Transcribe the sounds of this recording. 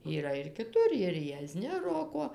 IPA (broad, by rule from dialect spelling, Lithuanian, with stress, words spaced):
iːˈrɐ ɪr kʲɪˈtʊr ɪr jiɛˈzʲnʲɪ ˈroːkoː